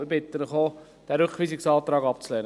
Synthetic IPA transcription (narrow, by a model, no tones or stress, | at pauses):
ibɪt̪ːənəχo | d̥ɛɾøkχʋiːsɪksɑːt̪ɾɑːɡɑpt͡slɛːn